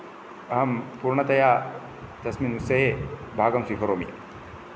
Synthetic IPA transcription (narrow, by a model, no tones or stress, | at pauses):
ɐɦɐmpuɾɳɐt̪ɐjaː | t̪ɐsminusɐɦebʱaːɡɐmsikʰɐɾoːmḭ